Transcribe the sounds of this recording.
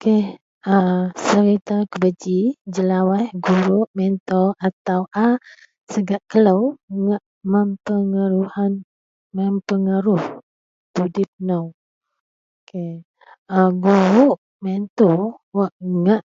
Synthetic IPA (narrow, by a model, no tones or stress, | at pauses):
keh | asəɾit̪akəbəd͡ʒid͡ʒəlawahɡuɾuʔmɛnt̪ɔʔat̪awʔa | səɡaʔkələwŋaʔ | məmpəŋaɾuhan | məmpəŋaɾʊh | t̪udɪp̚nəw | kʰe | aɡuɾuʔ | mɛnt̪ɔwɔʔŋaʔ